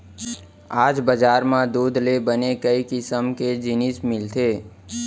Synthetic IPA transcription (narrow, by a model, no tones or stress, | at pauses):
aːd͡ʒbəd͡ʒaːɾmãd̪uːd̪lebənekəikɪsəmked͡ʒɪnɪsmɪlt̪ʰeː